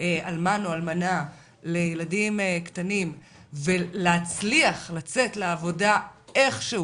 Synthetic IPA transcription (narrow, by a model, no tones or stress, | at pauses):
almanoalmana | lejeladimkt̪anim | veleat͡sliaχlat͡setleavo̞dae̞χʃe